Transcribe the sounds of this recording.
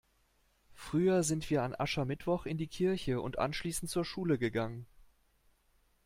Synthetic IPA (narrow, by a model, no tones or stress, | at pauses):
fʁ̥yːɐzɪntv̥iːɐanʔa̰ʃamɪtv̥ɔχɪndiːkʰɪɐçəʊ̰ntʔa̰nʃliːsn̩tt͡suːɐʃuːləɡəɡaŋən